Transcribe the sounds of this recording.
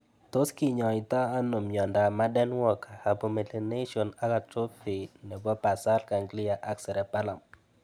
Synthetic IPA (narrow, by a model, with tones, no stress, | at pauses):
t̪o˦ski˦ɲɔ˨ɪ˨t̪ɔ˦a˦no˨mjɔ˨nda˨ma˦dɛ˦nwɔ˦ka˨a˨po˨me˨le˨ne˦ʃɔ˨na˦ka˨tɾo˦pɪ˨nɛ˨bɔ˦pa˨sa˦lka˨ŋɡlɪ˦a˨ʔa˦ksɛ˨ɾɛ˨pa˦la˨m